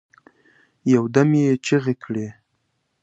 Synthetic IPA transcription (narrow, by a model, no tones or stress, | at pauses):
jawd̪amjet͡ʃeɣekʰɽe